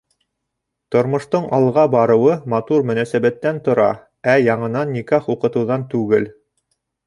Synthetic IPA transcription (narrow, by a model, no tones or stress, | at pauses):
t̪ŏɾmŏʃt̪oɴʔɑlˠʁɑbɑɾɤ̆wɤmɑt̪uɾmɵ̆næsæβæt̪ːænt̪ŏɾɑ̰ | æjɑɴɤ̆nɑnːikæχuqɤ̆t̪ɤ̆wðɑnt̪ʉɡɘl